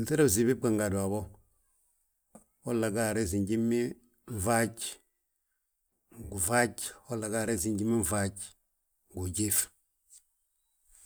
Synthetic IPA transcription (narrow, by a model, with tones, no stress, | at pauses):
n̩˨se˦ɾa˦˨zi˨bi˦k͡pa˨ŋɡa˨du˨a˨bɔ˦ | o˦la˨ɡa˦˨ɾe˦˨zi˨ɲɟi˦mːi˦ | ɱ̩˨va˦t͡ʃ | ɡu˨va˦t͡ʃɔ˦la˨ɡa˦˨ɾe˦˨zi˨ɲɟi˦mi˦ɱ˨va˦t͡ʃ | ɡu˨ɟe˦f